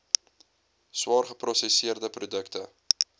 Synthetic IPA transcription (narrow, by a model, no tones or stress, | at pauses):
swɑːrχəprɔsɛsiərdəprodəktə